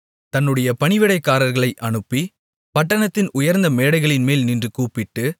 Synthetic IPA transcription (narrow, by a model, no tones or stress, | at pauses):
t̪ɐnːɯɽɐjɐpɐɳɪʋɪɽɐɪkːaːɾɐɾɣɐɭɐɪʔɐɳɯpːi | pɐʈːɐɳɐt̪ːɪnʊjɐɾnd̪ɐmeːɽɐɪɣɐɭɪnmeːlnindrɯkuːpɪʈːɯ